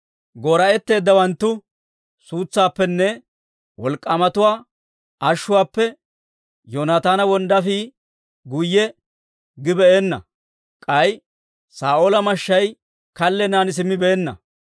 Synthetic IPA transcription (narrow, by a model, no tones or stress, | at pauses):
ɡoːɾɐɛt̪ːe̞ːd̪ːɐwɐnt̪ːʊ | suːt͡sːaːpːɛnːɛ | wɔlkʼːamɐt̪ʊwaː | ɐʃːʊwaːpːɛ | jonaːt̪aːnɐwɔnd̪ɐfiː | ɡʊjːɛ | ɡɪbɛeːnːɐ̰ | kʼɐj | saːʔolɐmɐʃːɐj | kɐlːɛnaːnɪs̬ɪmːɪbɛɛnːɐ̰